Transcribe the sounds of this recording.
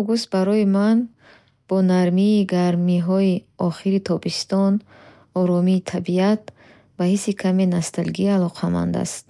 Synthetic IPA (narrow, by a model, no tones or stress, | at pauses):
aɡust̪̚baɾɔiman | b̥ɔnaɾmiːɡaɾmiɦɔiɔχiɾit̪ʰɔbist̪ɔn | ɔɾɔmiːt̪ʰabiat̪̚ | bahisikʰamenast̪alɡialɔqʰama̰nd̪a̰st̪̚